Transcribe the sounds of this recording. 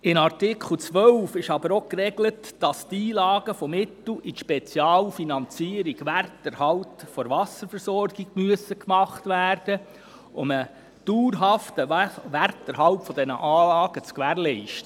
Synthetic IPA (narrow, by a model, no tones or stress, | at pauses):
ɪnɑrtɪkʰl̩t͡sʋœlfɪʃɑbəɾokrɛɡlətd̥ɑstiːlɑːɡ̥əfɔmɪtl̩itʃpɛt͡sjɑːlfinɑnt͡siːəɾiɡ̥ʋærtəɾhɑlpfɔɾʋɑsəɾfəɾsɔrɡiɡmyəsəkmɑχtʋæːrd̥ə | ʊmə | d̥uːɾɦɑftəʋærtəɾɦɑlpfɔdɛnə̰ʔɑːlɑːɡ̥ət͡skʋæːɾlɛɪʃtə